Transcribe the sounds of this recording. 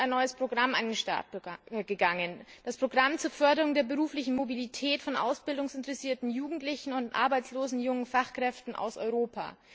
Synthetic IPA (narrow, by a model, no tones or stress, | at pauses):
aɪnːɔʏəspʁ̥oɡʁamʔa̰ɪnenʃta̰ɐt̚əɡəɡaŋənd̥aspʁ̥oɡʁamt͡suːɐfœɐdəʁʊŋdeːɐbəʁuːflɪçn̩mobilitʰɛːtfɔnʔa̰ʊsb̥ɪldʊŋsɪntəʁɛsiːɐtn̩juːɡŋ̩tlɪçn̩ʊntʔa̰ɐbaɪt͡sloːzn̩jʊŋənfaχkʁ̥ɛftn̩ʔa̰ʊsʔɔ̰ʏʁoːpʰa̰ː